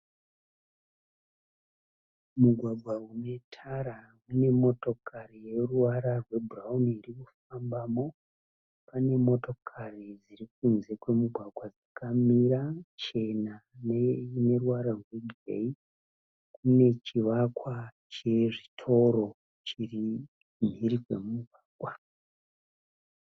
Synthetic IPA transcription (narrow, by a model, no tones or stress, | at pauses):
muɡʱwaɡʱwaune̞tʰaɾa | une̞mo̞to̞karijeruwaɾarwe̞buraunirikufambaːmo̞ | pane̞mo̞to̞kʰarid͡zirik̚unze̞kwe̞muɡʱwaɡʱwad͡zakamiɾat͡ʃe̞nanene̞ruwaɾarwe̞ɡʱrḛi | kune̞t͡ʃiʋakwa | t͡ʃe̞ʐitʰo̞ɾo̞ | t͡ʃiri | m̤iɾikwe̞̰mumuɡʱwaːɡʱwa